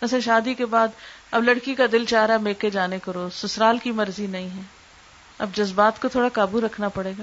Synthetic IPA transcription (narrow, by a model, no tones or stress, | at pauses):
ɐsẽʃaːd̪ikebaːd̪ɐblɐɽkikad̪ɪlt͡ʃaːɾameːked͡ʒaːnekɐɾoːsʊsɾaːlkimɐɾzinɐɦĩɦɛː | ɐ̰bd͡ʒɐzbaːt̪kot̪ʰoːɽakaːbuɾɐkʰnapɐɽeːɡaː